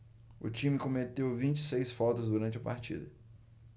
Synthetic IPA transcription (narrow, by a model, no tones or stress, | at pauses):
ʊ̰t͡ʃĩmɪkõmet̪ewvĩnt͡ʃɪ̥sejsfɔt̪ʊzd̪uɾɐ̃nt͡ʃɪɐpa̰ɾt͡ʃḭd̪ɐ